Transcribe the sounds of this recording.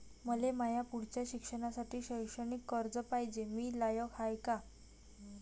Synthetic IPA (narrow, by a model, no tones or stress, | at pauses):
məlemajapuɽ̤t͡ɕjaɕikʂəɽ̃asaʈʰiːɕəjʂəɳ̃ikːəɾd͡zəpaɦjd͡ʑemiːlajəkɦajka